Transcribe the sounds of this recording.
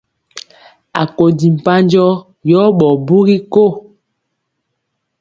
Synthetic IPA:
a˨ko˨di˨m̩˨pa˦nd͡ʒɔ˦ | jɔ˦ɓɔ˨bu˦ɣi˦ko˦˨

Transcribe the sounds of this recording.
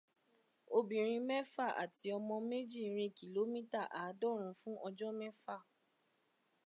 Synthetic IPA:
o˧bĩ˨ɾ̃ĩ˧mɛ˦fa˦˨ʔa̰˨ti˨˦ɔ˧mɔ̃˧me˦d͡ʒi˦˨ɾ̃ĩ˧ki˨lo˨˦mĩ˦ta˦˨ʔa˨˦dɔ˦˨ɾ̃ũ˨˧fũ˦ʔɔ˧d͡ʒɔ˦mɛ˦fa˦˨

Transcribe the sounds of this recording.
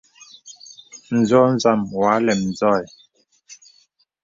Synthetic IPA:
n̩˨zɔ˦n̩˦za˦˨mwa˨˦lɛ˨mn˨zɔ˦˨ɛ˨

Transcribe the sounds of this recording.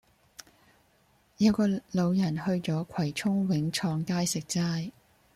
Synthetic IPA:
jɐ˨˧˥wkɔː˧lo˨˧wjɐ˨˩nhɵ˧ɥt͡sɔː˨˥kʷʰɐ˨˩jt͡ʃʰʊ˥ŋwɪ˨˥ŋt͡ʃʰɔː˧ŋkaː˥jsɪ˨k̚t͡saː˥j

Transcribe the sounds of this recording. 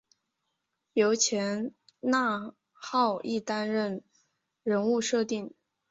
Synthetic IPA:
jo˧˥ʊt͡ɕʰjɛ˧˥n | na˥˩˧ | xɑ˥˧ʊʔi˥˩t̪a˥nɻə˥˩n | ɻə˧˥nu˥˧ʂɤ˥˧t̪i˥˩ŋ

